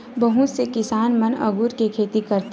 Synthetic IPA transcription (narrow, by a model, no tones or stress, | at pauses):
bɐɦũsekɪsaːnmɐnɐ̰ɡuːɾkekʰeːt̪ikɐɾt̪